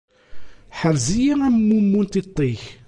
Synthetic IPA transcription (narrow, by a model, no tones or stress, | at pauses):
ħəɾzijiæmːumːunt̪it̪ˤːiç